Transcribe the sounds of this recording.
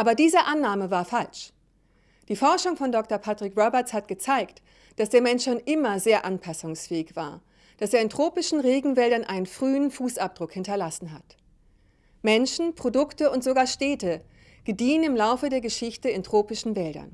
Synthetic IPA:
ʔaːbɐdiːzəʔanːaːməvaːɐfalʃ | d̥iːfɔɐʃʊŋfɔndɔk̚tɐpʰatʁ̥ɪkʁɔbɛɐshat̚ɡ̥ət͡saɪkt | d̥asd̥eːɐmɛnʃoːnʔɪmɐzeːɐʔanpʰasʊŋsfɛːɪçv̥a̰ːɐ | d̥aseːɐɪntʁ̥oːpɪʃn̩ʁeːɡŋ̩vɛldɐnʔa̰ɪnənfʁ̥yːənfuːsap̚d̥ʁʊkhɪntɐlasn̩ɦat | mɛnʃn̩pʁ̥odʊktəʊntz̥oɡaːɐʃtɛːtə | ɡ̥ədiːənɪmlaʊfədeːɐɡəʃɪçtəɪntʁ̥oːpɪʃn̩vɛldɐ̰n

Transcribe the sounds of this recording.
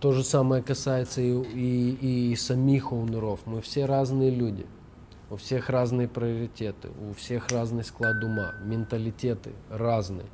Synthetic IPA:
t̪oʐɨsaməjəkɐsajɪt̪səiːsɐmʲixolˠnɨɾofmɨfsʲeɾaznɨjəlʲudʲɪ̰ | ʊfsʲe̞xraznɨjəpɾʲɪəɾʲɪtʲet̪ɨ̰ʊfsʲe̞xraznɨxsklˠad̪̚dʊma̰mʲɪnt̪əlʲɪtʲet̪ɨ̰raznɨjə

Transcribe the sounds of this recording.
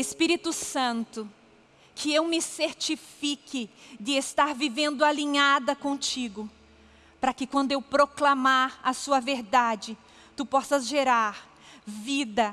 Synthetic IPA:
espiɾit̪ʊsɐ̃nt̪ʊ | kʰɪewmɪseɾt͡ʃifikɪd͡ʒ̪ɪest̪aɾvivẽnd̪ʊaliɲad̪ɐkõt͡ʃiɡʊ | pɾɐkɪkwɐ̃nd̪ʊewpɾoklamaɾɐsuɐveɾd̪ad͡ʒɪ | t̪upɔsɐzʒeɾaɾ | vid̪ɐ

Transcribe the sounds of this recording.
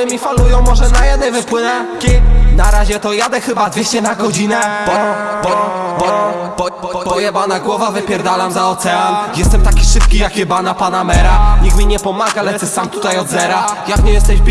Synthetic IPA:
ɘmʲifalujɔ̃w̃mɔʐɛnajɛd̪̚nɛjvɘpwɘnɛ | naɾaʑɛt̪ɔjad̪ɛxɘbad̪vʲjeɕt͡ɕɛnaɡɔd͡ʑinɛbɔbɔbɔ | b̥ɔjɛbanaɡwɔvavɘpʲjɛɾd̪alamzaɔt̪sɛanjɛst̪ɛmt̪akʲiʂɘpkʲijakjɛbanapanamɛɾaɲikmʲiɲɛpɔmaɡalɛt̪ɘsamt̪ut̪ajɔd̪zɛɾajakɲɛjɛst̪ɛʑb

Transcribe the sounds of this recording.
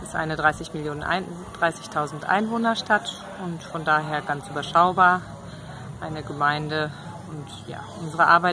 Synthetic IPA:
ɪ̥stʔa̰ɪnədʁaɪsɪçmɪljoːnənʔa̰ɪn | d̥ʁaɪsɪçtʰaʊzn̩tʔa̰ɪnvoːnɐʃtat | ʊntfɔndaːɦeːɐɡant͡sʔyːbɐʃaʊbaːɐ | ʔaɪnəɡəmaɪndə | ʊnt | ja̰ːʔʊnzəʁəʔaɐbaɪ

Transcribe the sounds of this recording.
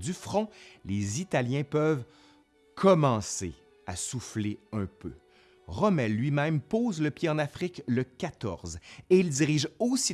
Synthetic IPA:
d̪yfχɔ̃lezit̪aljɛ̃pœv | kʰɔmɑ̃se | a̰sufleœ̃pø | ʁɔmɛlːɥimɛ̃mpoːzləpjeɑ̃nafχikləkʲat̪ɔ̰ʁzeild̪iʁiʒosi

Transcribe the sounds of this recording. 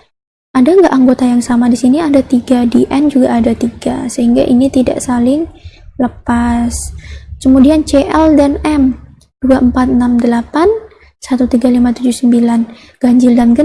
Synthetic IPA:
ʔadaŋɡaʔaŋɡot̪ajaŋsamadisiniadat̪iɡadeʔɛnd͡ʒuɡaʔːdat̪iɡasəɦiŋɡa̰ʔinit̪ida̰ʔsalɪŋləpaskəmudiant͡ʃeʔɛldanɛm | d̥uaəmpat̪̚namdəlapan | sat̪ut̪iɡalimat̪ud͡ʒusəmbilan | ɡ̥aɲd͡ʒɪldanɡə

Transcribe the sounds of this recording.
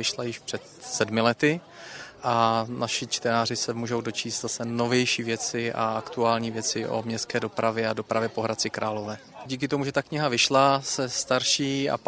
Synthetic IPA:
ɪʃlajɪʃpr̥ɛt̪sɛdmɪlɛt̪ɪ | ʔanaʃɪt͡ʃt̪ɛnaːr̝ɪsɛmuːʒowdo̞t͡ʃiːst̪zasɛno̞vjɛjʃiːvjɛt͡sɪʔa̰akt̪uaːlɲiːvjɛt͡sɪʔo̞̰mɲɛst̪̚kɛːdo̞pɾavjɛado̞pɾʔavjɛpo̞ɦɾat͡sɪkɾaːlo̞vɛːɟiːk̬ɪt̪o̞muʒɛt̪akɲɪɦavɪʃlasɛst̪aɾʃiːa̰

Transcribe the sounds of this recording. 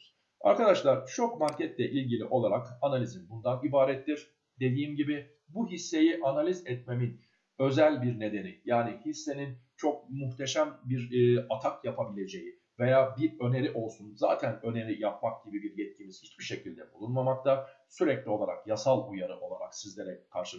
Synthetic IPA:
a̰ɾkad̪aʃlˠaɾ̥t͡ʃʰo̞kmaɲcʰɛt̪lʲɛʔilʲɟilʲiʔo̞lˠaɾakanalʲizinbund̪anibaːɾɛt̪ʰːiɾ̥ | d̪e̞d̪iːmɟibɪ | buɦisːe̞jiʔanalʲizɛt̪̚me̞min | ø̞zælʲbiɾne̞d̪e̞nijaːnihisːe̞nint͡ʃʰo̞k̚muxt̪ʰe̞ʃæmbiɾːat̪ʰakjapʰabilʲe̞d͡ʒe̞ji | ve̞jaːbiɾø̞ne̞ɾiʔo̞lˠsunza̰ːt̪ʰænø̞ne̞ɾijap̚mak̚ɟ̥ibibiɾjɛt̪̚cimiz̥hit͡ʃbiʃe̞cʰilʲd̪ɛbulˠunmamakt̪ʰa | syɾɛclʲio̞lˠaɾa̰kjasalˠujaɾɯʔo̞lˠaɾa̰ksizlʲeɾɛkʰaɾʃɯ

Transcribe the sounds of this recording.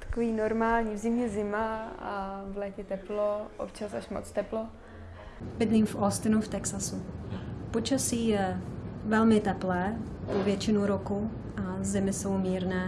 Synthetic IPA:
t̪ḁkoviːnoɾmaːlɲiːvzɪmɲɛzɪma | vlɛːcɛt̪ɛploʔo̰pt͡ʃasaʃmot͡st̪ɛplo | bɪd̪liːmfʔost̪ɪnuft̪ɛksasupot͡ʃasiːjɛvɛlmɪt̪ɛplɛːpovjɛt͡ʃɪnuɾoku | azɪmɪsowmiːɾnɛː

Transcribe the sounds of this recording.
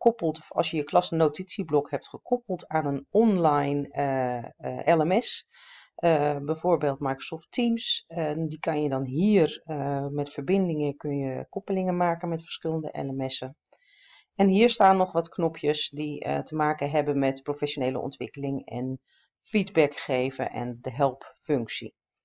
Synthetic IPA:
kɔpəlˠtɔfɑ̰lˠsjəjəklɑsənowtisiblɔkhɛp̚tχəkɔpəlˠtaːnənɔnlajn | ʔɛlɛmɛs | bɛjv̥oːɹbeːlˠtmajkro̥sɔftimsdikɑnjədɔnɦiːərmɛtfəɹbɪndɪŋəkɵnjəkɔpəlɪŋəmaːkənmɛtfə̥ɹ̥sxɪlˠəndə̰ʔɛ̰lɛmɛsə | ɛnɦiːəɹstaːnːɔxʋɔtknɔpʰjəsditəmaːkəɦɛbənmɛtprofɛsjoneːlə̰ɔ̰ntʋɪkəlɪŋɛ̰n | fidbɛkxeːvə̰ʔɛ̰ndəɦɛlˠpføŋksḭ

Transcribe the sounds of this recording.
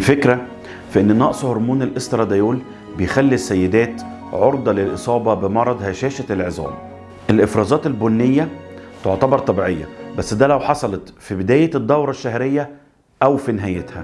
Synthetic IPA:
lfekɾæ | fiʔenːnɑʔsˤhoɾˤmuːnelʔest̪ɾɑd̪ɑjuːl | bejxælːisːæjːed̪æːt̪ʕoɾˤd̪ˤɑlelʔesˤɑːbɑbemɑɾˤɑd̪ˤhæʃæːʃæt̪elʕezˤɑ̰ːm | ʔelʔefɾˤɑːzɑːt̪elbonːejːæt̪oʕt̪ɑbɑɾˤt̪ˤɑbiːʕejːæ̰bæsːd̪ælæwħɑsˤɑlet̪fibed̪æːjed̪ːɑwɾˤɑʃːæhɾejːæ | ʔæwfineɦæːjet̪hæ

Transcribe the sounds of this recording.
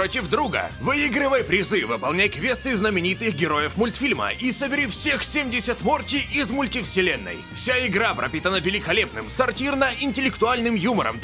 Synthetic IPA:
otʲɪvd̪ɾuɡə̰vɨiɡɾɨvəjpɾʲɪzɨvɨpɐlˠnʲæjkvʲest̪ɨznəmʲɪnʲit̪ɨxɡʲɪɾo̞jəfmʊlʲt̪fʲilʲmə̰isəbʲɪɾʲifsʲexsʲemʲdʲɪsʲət̪mortʲɪɪzmʊlʲtʲɪfsʲɪlʲenːə̰jfsʲaɪɡɾapɾʔɐ̰pʲit̪ənəvʲɪlʲɪkɐlʲepnɨmsɐrtʲirnəɪnʲtʲɪlʲɪkt̪ʊalʲnɨmjumə̰ɾə̰m

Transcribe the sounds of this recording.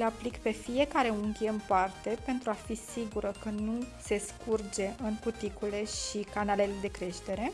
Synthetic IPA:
leaplikpe̞fije̞kaɾe̞uŋkʲe̞ɨnpart̪e̞pe̞nt̪ɾuafisiɡuɾəkənuse̞skurd͡ʒe̞ɨŋkut̪ikule̞ʃikanale̞le̞d̪e̞kɾe̞ʃt̪e̞ɾe̞

